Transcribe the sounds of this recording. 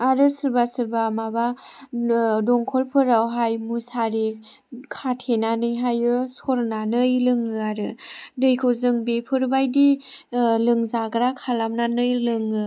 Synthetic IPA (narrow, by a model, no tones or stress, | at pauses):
aɾɯsɯɾbasɯɾbamaba | dɔŋkʰɔlpʰɯɾawɦajmusaɾi | kʰatʰenanɯjɦajɯsɔɾnanɯjlɯŋɯaɾɯnɯjkʰozɯŋbepʰɯɾbajdi | lɯŋzaɡɾakʰalamnanɯjlɯŋɯ